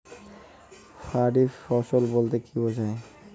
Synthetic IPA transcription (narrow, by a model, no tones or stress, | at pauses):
fʰaɖifɔsɔlbolt̪ekʰibozae